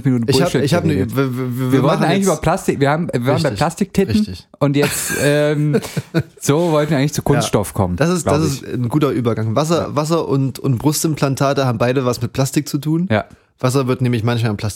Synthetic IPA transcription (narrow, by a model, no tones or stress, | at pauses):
minuːtn̩ɪçhaːbɪçhaːbənəːvːɐvviːɐviːɐvaltːnn̩aɪɛŋɪçːbɐpʰl̥astɪkviːɐhaːbm̩vaːʁmbaɪɪpl̥astɪk̚tʰɪtʁɪçtɪçʔʊntjɛt͡stɛːm | z̥oːvɔltn̩iːɐɪŋɪ̥t͡sukʰʊnsttʃtɔfkʰɔ̰mənd̥asɪstdas̬ɪsnɡuːtɐʔyːbɐɡaŋvas̬ɐvas̬ɐʔʊntʊntb̥ʁʊstɪmpl̥antʰaːtəhaːbm̩baɪdəvasmɪt̚pʰl̥astɪk̚t͡sutʰuːnja̰ː | v̥as̬ɐvɪɐtnɛːmɪçmançmaːlpl̥asɪ